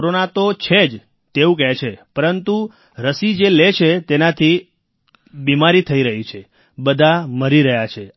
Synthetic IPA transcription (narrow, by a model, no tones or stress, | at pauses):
ɾonat̪ot͡ʃʰed͡ʒ | t̪eũk̬ɛɦt͡ʃʰepəɾənt̪u | ɾəsid͡ʒelet͡ʃʰet̪enat̪ʰi | bimaɾit̪ʰəiɾəɦit͡ʃʰe | bəd̪ʱaməɾiɾəɦjat͡ʃʰe